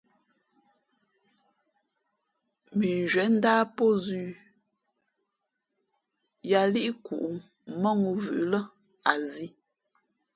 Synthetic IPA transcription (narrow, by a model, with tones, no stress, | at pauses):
mi˨n˨d͡ʒɥɛ˨˦n̩˦daː˦pɔ˦zʉː˦˨ | ja˨li˦ʔi˦kṵ˨ʔu˨ | mɔ˦˨ŋu˨vʉ̰˨ʔlə˦ | a˨zi˦